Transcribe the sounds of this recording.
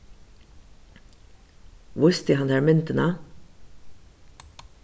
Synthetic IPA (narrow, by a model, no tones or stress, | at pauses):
ʋʊst̪ɪɦɑnæːɾmʏnt̪ənɑ